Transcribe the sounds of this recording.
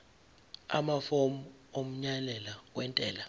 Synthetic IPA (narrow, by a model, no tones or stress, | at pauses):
a̰mafom̩ | om̩ɲalɛlakwɛntʼɛːla